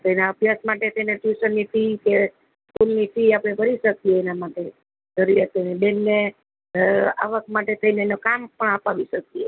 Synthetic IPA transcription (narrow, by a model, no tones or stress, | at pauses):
t̪inaəbʱjasmaʈet̪ʰəineʈjusənːit̪ike | skulnifiapɽ̃ebʱəɾiʃək̚ieːnamaʈe | d͡ʒəɾiɾət̪ənebenːe | a̰ʋəkmaʈet̪ʰəineːnokampəɳ̃apaʋiʃək̚ie